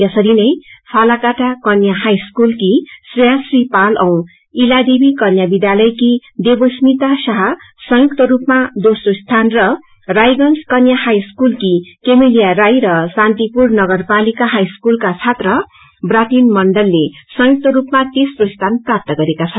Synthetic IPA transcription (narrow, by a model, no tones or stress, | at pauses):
jasʌɾinʌjpʰalakaʈakʌnjaɦajskulkisrjasripalʔʌw̃ | ilad̪ebikʌnjabid̪jalʌjkid̪ebosmit̪asʌɦʌ | sʌ̃juk̚t̪ʌɾupmad̪osrost̪ʰanrʌ | rajɡʌnskʌnjahajskulkikemelijarajɾʌsãnt̪ipurnʌɡʌrpalikaɦajskulkat͡sʰat̪rʌ | brat̪inmʌɳɖʌlːesʌjuk̚t̪ʌɾupmat̪esrost̪ʰanprap̚t̪ʌɡʌɾekat͡sʰʌn